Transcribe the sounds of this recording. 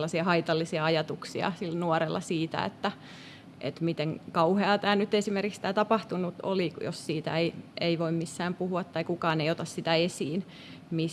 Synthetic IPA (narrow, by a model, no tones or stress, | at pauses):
lːɑsiɑhɑit̪ɑlːisiɑɑjɑt̪uksiɑ̰silnuɔrelːɑsiːt̪æ̰ḛt̪ːæ | ʔḛt̪mit̪eŋkɑuheɑt̪æːnyt̪esimerkikst̪æːt̪ɑpɑht̪unut̪o̰lijo̰ssiːt̪æ̰eieiʋoimmisːæːmpuhuɑt̪tːɑikukɑːneiot̪ɑssit̪æesiːn | mi